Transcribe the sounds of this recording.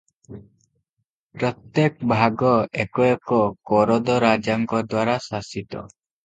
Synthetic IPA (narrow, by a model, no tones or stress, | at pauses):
pɾɔt̪jekbʱaɡɔekɔekɔkɔɾɔd̪ɔɾad͡ʒaŋkɔd̪waɾasasit̪ɔ̰